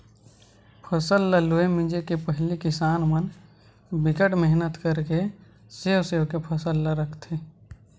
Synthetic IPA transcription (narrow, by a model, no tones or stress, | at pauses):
pʰəsəlːəluemɪ̃d͡ʒekepəɦlikɪsaːnmən | bɪkəʈmɛɦnət̪kəɾke | seːseːʋkepʰəsəlːəɾəkʰt̪ʰe